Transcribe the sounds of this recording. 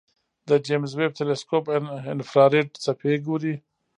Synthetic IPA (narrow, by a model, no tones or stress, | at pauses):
d̪əd͡ʒemzweb̚t̪ʰeleskopɪnfɾɑɾeʈ̚t͡sapʰeɡuɾi